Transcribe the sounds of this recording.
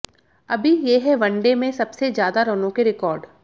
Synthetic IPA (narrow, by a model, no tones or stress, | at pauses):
ɐbʱijeːɦɛʋɐ̃ɳɖemẽsɐbsezjaːd̪aɾonõkeɾɪkɔːɾɖ